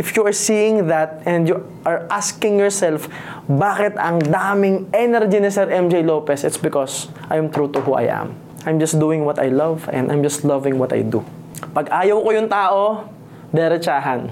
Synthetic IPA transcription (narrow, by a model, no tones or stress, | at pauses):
ʔɪfjuɐɹsiːjɪŋðɐt̪̚ɛ̃nd̪ju | ʔɐɹʔaskɪ̃ŋjɔɹsɛlf | baːkɪt̪ɐŋd̪aːmɪŋʔɛnɛɾd͡ʒinɪsɛɾʔɛmd͡ʒejloːpɛsɪt̪sbɪkɔs | ʔajmt̪ɾuːt̪ʊɦuʔa̰jʔɐ̰̃m | ʔajmd͡ʒɐs̚d̪uːɪ̃ŋwɔt̪ɐ̰jlɐvɛ̰nd̪ʔa̰jmd͡ʒɐst̪lɐvɪ̃ŋwɔt̪ɐ̰jd̪ṵ | pɐɡʔaːjɐwkojʊŋt̪aːʔo | d̪ɛɾɛt͡ʃaːɦɐn